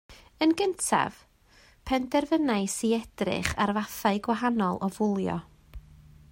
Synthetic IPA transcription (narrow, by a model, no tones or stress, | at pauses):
ənɡəntʰa̰v̥ | pʰɛndɛrvənaɨsiɛd̥rɪ̰χarvaθaɨɡwaɦanɔlˠɔvʊlˠjɔ̰